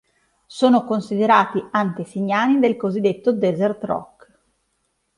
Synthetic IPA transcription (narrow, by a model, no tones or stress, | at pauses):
soːnokonsid̪eɾaːt̪iant̪esiɲːaːnid̪elkozid̪ːet̪ːod̪ɛzert̪rɔ̰kː